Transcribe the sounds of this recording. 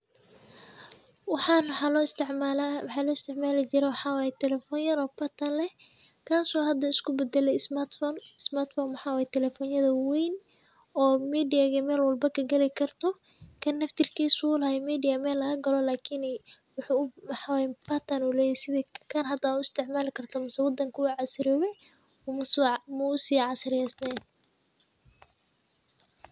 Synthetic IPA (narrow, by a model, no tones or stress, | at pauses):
wħnsʕawħɑlɔːɪst̪ʰɪʕmaːlɪt͡ʃɪɾɛwħɑːwajɛt̪ʰɛlɛfɔnjɐnɔːbɐt̪ʰɐnlɛh | kʰaːsɔhɐd̪ɐɪskʰʊbɛd̪ɛlɛjsmat̪fnɪsmaːrt̪fɔːnwɑħɑːwaːjɛt̪ʰɛlɛfɔːnjɐðɐwɛjn | ɔːmiːdɪjaɣɐmɛːlwɐlbɐkʰɐɡɐlɛkʰɐrt̪ʰɔ | kʰɐnːɐft̪ʰɪrkʰiːsʊlɐhɛmiːd̪ɪjɐmɛːlɐɣɐɡɐlɔlaːkʰiːnɛ | wʊħumħɑwɛbɐt̪ʰɐnʊlɛːjɛjsɪðɛkʰɐnhɐd̪aʊɪst̪ʰɪʕmaːlɪkʰɐrt̪ʰɐmʊsɛwɑd̪ɐŋkʰʊʊʕɑsɪɾɔːwɛ | mʊsmʊːsiːʕɑsɪɾɪjɛsnɛn